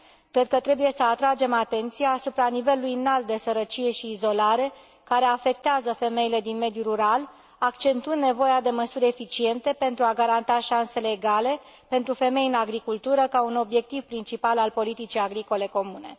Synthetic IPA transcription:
kɾe̞d̪̚kət̪ɾe̞buje̞səat̪ɾad͡ʒe̞mat̪e̞nt̪sijaːsupɾanive̞lulujɨnalt̪̚d̪e̞səɾət͡ʃije̞ʃiːzo̞laɾe̞ | kaɾe̞afe̞k̚t̪eazəfe̞me̞jile̞d̪inme̞d̪juɾuɾal | akt͡ʃe̞nt̪uɨnd̪ne̞vo̞jad̪e̞məsuɾʲefit͡ʃie̞nt̪e̞pe̞nt̪ɾuaɡaɾant̪aʃanse̞le̞ːɡale̞ | pe̞nt̪ɾufe̞me̞jɨnaɡɾikult̪uɾəkauno̞bje̞k̚t̪ivpɾint͡ʃipalalpo̞lit̪it͡ʃijaɡɾiko̞le̞ko̞mune̞̰

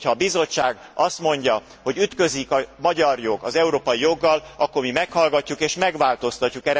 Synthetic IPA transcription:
hɒːbizo̞t͡ʃːaːɡ | ɒst̪mo̞ɲɟɒ | ho̞ɟyt̪kø̞zikɒmɒɟɒrjo̞ɡɒzɛuɾoːpɒjijo̞ɡːɒlʔɒkːo̞rmimɛkhɒlɡɒcːukeːʃmɛɡʋaːlt̪o̞st̪ɒcːukɛɾ

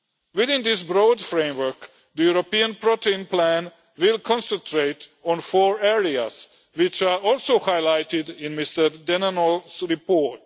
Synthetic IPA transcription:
ʋɪðɪ̃nd̪ɪs̬bɾoːd̪fɾẽjmʋə˞k | d̪əjuɾopiãnpɾɔt̪ʰeĩnplæ̃n | wɪlkʰɔ̃nsɛ̃nt̪ʰɾet̪ɔ̃nfɔːɹɛɹias | ʋɪt͡ʃaːɔlˠsowhajlajt̪ɪd̪ɪ̃nmist̪əɾd̪ɛnanɔlsɾipɔːt

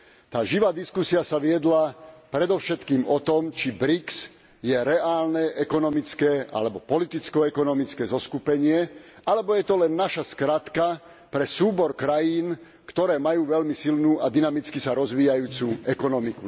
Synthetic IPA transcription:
t̪aːʒiʋaːd̪iskusiasaʋɪɛd̪lapɾɛd̪ɔʊʃɛt̪kiːmɔt̪ɔmt͡ʃibɾiks | jɛɾɛaːlnɛʔɛkɔnɔmit͡skɛːa̰lɛbɔpɔlit̪it͡skɔɛkɔnɔmit͡skɛːzɔskupɛɲɪɛʔalɛbɔjɛt̪ɔlɛnːaʃaskɾat̪ka | pɾɛsuːbɔɾkɾajiːn | kt̪ɔɾɛːmajuːʋɛlmisilnuːʔad̪inamit͡skisaɾɔzʋiːjajuːt͡suɛkɔnɔmiku

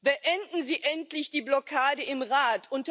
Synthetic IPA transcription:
b̥əʔɛndn̩ziːʔɛntlɪçd̥iːblɔkʰaːdəɪmʁaːtʰʔʊnt

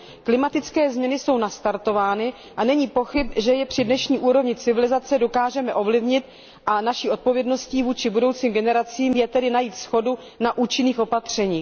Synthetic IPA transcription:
klɪmat̪ɪt͡skɛːzmɲɛnɪso̞wnast̪aɾt̪o̞vaːnɪ | ʔanɛɲiːpo̞xɪpʒɛjɛpr̥ɪdnɛʃɲiːʔuːɾo̞vɲɪt͡sɪvɪlɪzat͡sɛdo̞kaːʒɛmɛʔo̞vlɪvɲɪt̪̚ | ʔanaʃiːʔo̞t̪̚po̞vjɛdno̞sciːvuːt͡ʃɪbudo̞wt͡siːmɡɛnɛɾat͡siːmjɛt̪ɛdɪnajiːt̪sxo̞du | naʔuːt͡ʃɪniːxʔo̞pat̪r̝̥ɛɲiː

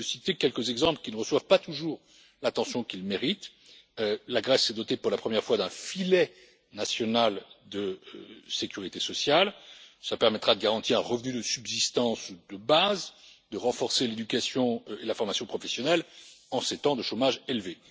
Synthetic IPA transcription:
əsit̪ekʲɛlkəzɛɡzɑ̃pləkʲinəʁəswavpat̪uʒuːʁ | lat̪ɑ̃sjɔ̃kʲilmeʁit̪ | laɡʁɛsːɛd̪ɔt̪epuʁlapχəmjɛʁfwad̪ɛ̃filɛ | nasjɔnald̪əsekʲyʁit̪esɔsjalsəlapɛʁmɛt̪χad̪əɡaʁɑ̃t̪iʁɛ̃ʁəvnyd̪əsybzist̪ɑ̃sud̪əbazd̪əʁɑ̃fɔʁseled̪ykʲasjɔ̃elafɔʁmasjɔ̃pχɔfɛsjɔnɛlɑ̃set̪ɑ̃d̪əʃomaʒelve

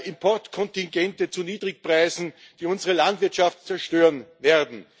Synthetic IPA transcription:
ɪmpʰɔɐtkʰɔntɪŋɡɛntət͡suniːdʁɪpʁaɪzn̩ | d̥iːʊnzəʁəlantv̥ɪɐtʃaftt͡sɛɐʃtøːʁənveːɐdn̩

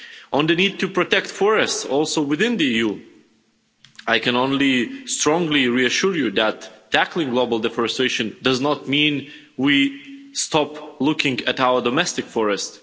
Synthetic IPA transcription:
ʔə̃nd̪ɨnid̚tɨpɹɔtɛk̚tfɔɹɨstsɔlˠsoʊwɨðɪ̃nðiiju | aɪkɨ̃nõʊ̃nlistɹ̥ɔ̃ŋɡliɹiɨʃʊɹjuðætːʰækl̩ˠɪ̃ŋɡloʊbəl̩ˠdɛfəɹɨstɹ̥eɪʃɨ̃ndʌznət̚mĩn | wistɑplʊkɪ̃ŋɨtaʊə˞dɔmɛstɨkfɔɹɨst

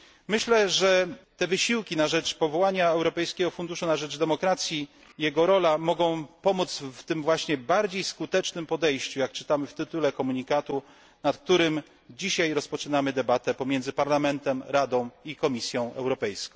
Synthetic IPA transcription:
mɘɕlɛʐɛt̪ɛvɘɕiwkʲinaʐɛt͡ʂpɔvɔwaɲaɛwɾɔpɛjskʲɛɡɔfund̪uʂunaʐɛd͡ʐd̪ɛmɔkɾat̪sʲjiː | jɛɡɔɾɔlamɔɡɔ̃w̃pɔmut̪sft̪ɘmvwaɕɲɛbaɾd͡ʑejskut̪ɛt͡ʂnɘmpɔd̪ɛjɕt͡ɕujak̚t͡ʂɘ̥t̪amɘft̪ɘt̪ulɛkɔmuɲikat̪u | nat̪k̚t̪uɾɘm | d͡ʑiɕajɾɔspɔt͡ʂɘnamɘd̪ɛbat̪ɛpɔmʲjɛnd̪zɘpaɾlamɛnt̪ɛmɾad̪ɔ̃w̃ikɔmʲisʲjɔ̃w̃ʔɛ̰wɾɔpɛjskɔ̃w̃

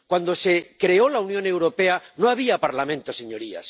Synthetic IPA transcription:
kwand̪o̞sekɾe̞olaunjõ̞ne̞wɾopeanoaβ̞iapaɾlamẽnt̪oseɲo̞ɾia̰s

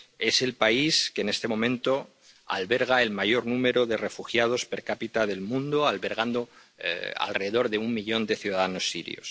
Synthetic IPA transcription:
e̞se̞lpaiskeːne̞st̪e̞mõ̞mẽ̞nt̪o̞ | a̰lβe̞ɾɣ̞ae̞lmaʝo̞ɾnũme̞ɾo̞ðe̞re̞fuxjað̞o̞spe̞ɾkapit̪aðe̞lmũnd̪oalβe̞ɾɣ̞and̪o̞ | a̰lre̞ðe̞ðo̞ɾðeummiʎõ̞nd̪e̞θjuðaðano̞sːḭɾj̰o̞̰s

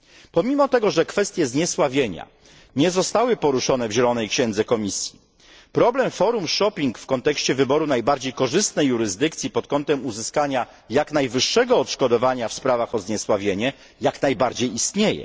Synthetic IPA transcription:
pɔmʲimɔt̪ɛɡɔʐɛkfɛst̪ʲjɛzɲɛswavʲjeɲa̰ | ɲɛzɔst̪awɘpɔɾuʂɔnɛvʑɛlɔnɛjkɕɛ̃nd̪zɛkɔmʲisʲji | pɾɔblɛmfɔɾumʂɔpʲiŋkfkɔnt̪ɛkɕt͡ɕɛvɘbɔɾunajbaɾd͡ʑejkɔʐɘst̪nɛjːuɾɘzd̪ɘkt̪sʲjipɔt̪̚kɔnt̪ɛmuzɘskaɲa | jakn̪ajvɘʂːɛɡɔːt̪ʂkɔd̪ɔvaɲafspɾavaxɔzɲɛswavʲjeɲɛ | jaknajbaɾd͡ʑejist̪ɲejɛ̰

